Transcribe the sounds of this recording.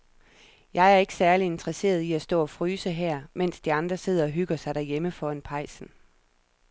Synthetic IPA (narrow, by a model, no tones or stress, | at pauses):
jɑ̈ɪæɐe̝ɡ̥ə̥sæɐlie̝nd̥ʁɐse̝̰ːɐð̞ˠiæsd̥ɔ̰̽ːɒ̽fʁyːsəɦæɐ̰men̰sd̥iɑ̈nd̥ʁɐse̝ð̰ˠɐɒ̽ɦyɡ̥ɐsɑ̈ɪɾ̥æɐjeməfɒ̽enpʰɑ̈ɪsn̩